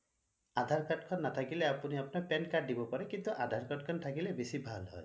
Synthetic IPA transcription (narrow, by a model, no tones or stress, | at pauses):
ad̪ʱaɾkaʈkʰɔnːatʰakileapuniapɔnɔpenkaːibɔpaɾekint̪uʔad̪ʱaɾkaʈ̚kʰɔnʈʰakilebesibʱalɦɔ̰j